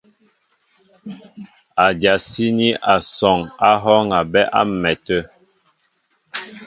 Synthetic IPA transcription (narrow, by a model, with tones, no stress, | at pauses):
a˨dja˨si˦ni˦ʔa˨sɔ˨ŋa˦ɦɔ˦ŋa˨bɛ˦ʔa̰˦mɛ˨tə˦